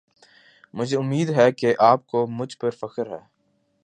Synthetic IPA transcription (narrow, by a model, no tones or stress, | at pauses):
mʊd͡ʒʱeʊmːiːd̪ɦɛkeʔaːp̚komʊd͡ʒʱpɐɾfɐkəɾɦɛː